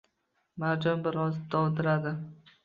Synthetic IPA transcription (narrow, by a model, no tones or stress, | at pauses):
maɾd͡ʒɒmbɪɾɒzd̪ɒwd̪ɪɾad̪ɪ